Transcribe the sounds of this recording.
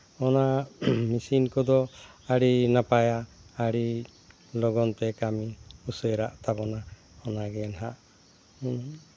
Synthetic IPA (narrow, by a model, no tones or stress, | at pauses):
ɔnamisinkɔd̪ɔaɽinapajaaɽi | lɔɡɔnt̪ɛkamiusɔɾa̰ʔt̪abɔna | ɔnaɡɛnɦaʔ